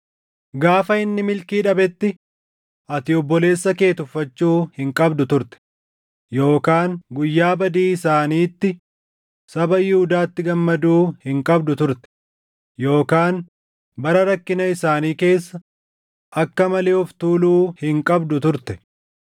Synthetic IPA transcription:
ɡaːfɐɪnːɪmɪlkiːᶑɐbɛt̪ːɪ | ʔɐt̪ɪjɔbːɔle̞ːsːɐke̞ːt̪ʊfːɐt͡ʃːuːhɪŋkʼɐbd̪ʊt̪ʊɾt̪ɛ̥ | jo̞ːkaːŋɡʊjːaːbɐd̪iːɪsaːniːt̪ːɪ | sɐbɐjɪhʊd̪aːt̪ːɪɡɐmːɐd̪uːhɪŋkʼɐbd̪ʊt̪ʊɾt̪ɛ̥ | jo̞ːkaːn | bɐɾɐɾɐkːɪnɐɪsaːniːke̞ːsːɐ | ʔɐkːɐmɐleːɔft̪uːluːhɪŋkʼɐbd̪ʊt̪ʊɾt̪ɛ̥

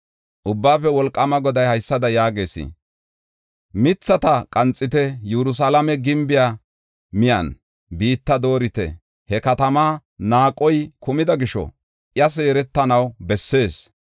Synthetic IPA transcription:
ʔʊbːaːfɛwɔlkʼːɐmɐɡɔd̪ɐjhɐjsːɐd̪ɐjaːɡe̞ːsɪ̰ | mɪt͡sːɐt̪ɐkʼɐnt͡sʼːɪt̪ɛjɛɾʊs̬alɐmɛɡɪmbɪja | mɪjɐn | biːt̪ːɐd̪o̞ːɾɪt̪ɛ̰ | hɛkɐt̪ɐmaːnaːkʼːɔjkʊmɪd̪ɐɡɪʃɔ̰ | ʔjɐs̬e̞ːɾɛt̪ːɐnɐwbɛsːe̞ːs

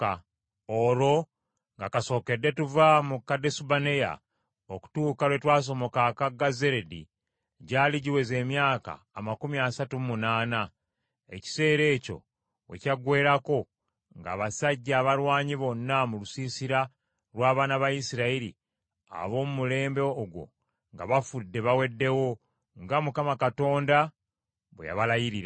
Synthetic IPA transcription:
a | oɾo̞ | ŋɡakaso̞ːke̞dːe̞tuvamukːade̞subane̞ja̰ | oku̥tuːkaɾwe̞twaːs̬o̞mo̞kakaɡaze̞ɾedḭ | ɟaːliɟiwe̞ze̞ːmjaːka̰ːmakumiasatumunaːna | e̞̰ci̥se̞ːɾe̞ːco̞̰ | we̞̰caɡwe̞ːɾako̞ | ŋɡa̰ːβasaɟːaːβalwaːɲiβo̞nːamulusiːsiɾa | lwaːβaːnaβajisiɾaiɾi | a̰βo̞ːmumule̞ːmbeoɡwo̞̰ | ŋɡa̰βafudːe̞βawe̞dːe̞wo̞ | ŋɡamukamakato̞ːnda | βwḛja̰βalajiɾiɾa

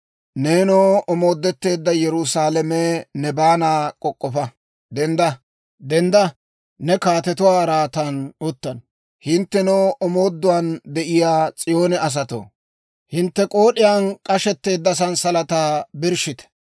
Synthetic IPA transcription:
neːnoːʔɔmo̞ːd̪ːɛt̪ːe̞ːd̪ːɐjɛɾʊsaːlɛmɛnɛbaːnaːkʼɔkʼːɔfɐ | d̪ɛnd̪ɐ | d̪ɛnd̪ɐ | nɛkaːt̪ɛt̪ʊwaːɾaːt̪anʊt̪ːɐn | hɪnt̪ːɛnoːʔɔmo̞ːd̪ːʊwaːnd̪ɛʔɪjaːt͡sʼɪjo̞ːnɛɐs̬ɐt̪o̰ː | hɪnt̪ːɛkʼo̞ːɗɪjaːnkʼɐʃɛt̪ːe̞ːd̪ːɐs̬ɐnsɐlɐt̪aːbɪɾʃɪt̪ɛ̥

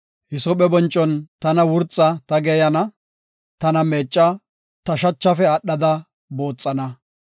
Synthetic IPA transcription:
hɪsɔɓɛbɔnt͡ʃʼːɔnt̪ɐnɐwʊɾt͡sʼːɐt̪ɐɡejɐnɐ | t̪ɐnɐmeːt͡ʃʼːɐ | t̪ɐʃɐt͡ʃːɐfɛɐɗːɐd̪ɐ | bo̞ːt͡sʼːɐnɐ

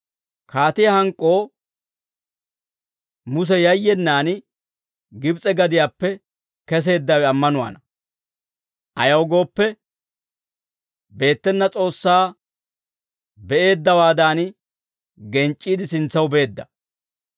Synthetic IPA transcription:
kaːt̪ɪjɐhɐŋkʼːo̞ː | mʊs̬ɛjɐjːɛnːaːn | ɡɪbt͡sʼɛɡɐd̪ɪjaːpːɛ | kɛs̬e̞ːd̪ːɐwɛɐmːɐnʊwa̰ːnɐ | ʔɐ̰jɐwɡo̞ːpːɛ | be̞ːt̪ːɛnːɐt͡sʼo̞ːsːaː | bɛʔe̞ːd̪ːɐwaːd̪aːn | ɡɛnt͡ʃʼːiːd̪ɪsɪnt͡sːɐwbe̞ːd̪ːɐ

